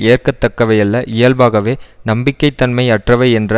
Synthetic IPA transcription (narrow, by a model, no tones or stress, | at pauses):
eːrkɐt̪ːɐkːɐʋɐɪɐlːɐʔɪjɐlbaːɣɐʋeːnɐmbɪkːɐɪt̪ːɐnmɐɪɐʈrɐʋɐɪɛndrɐ